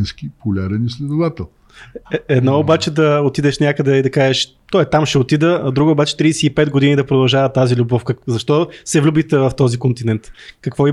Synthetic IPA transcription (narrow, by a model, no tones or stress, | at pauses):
nskipʊlʲaɾɛnislʲɛd̪ʊvat̪ɛlˠ | ɛɛd̪nɔobat͡ʃɛd̪ɐot̪id̪ɛʃnʲjakəd̪ɛid̪ɐkaʒɛʃ | t̪ɔɛt̪amʃɛot̪id̪əd̪ɾuɡoobat͡ʃɛ̥t̪ɾiːsɛipɛt̪ɡod̪inid̪ɐpɾod̪ɐlˠʒavət̪ːazilʲubɔfkəzɐʃt̪ɔsɛvlʲubit̪ɛvɐft̪ɔzikont̪inɛnt̪kɐkvɔi